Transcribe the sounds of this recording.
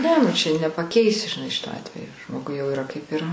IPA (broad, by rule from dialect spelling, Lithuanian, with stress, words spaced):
ˈnʲɛ nʊ ˈt͡ʃʲɛ nʲɛpɐˈkʲɛɪsʲɪ ʒʲɪˈnɐɪ ˈʃʲɪtoː ˈɑːtʲʋʲɛjoː ˈʒmoːɡʊɪ jɛʊ iːˈrɐ kɐɪp iːˈrɐ